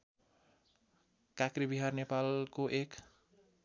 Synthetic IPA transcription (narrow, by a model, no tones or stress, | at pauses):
kakribiɦarnepalkoʔek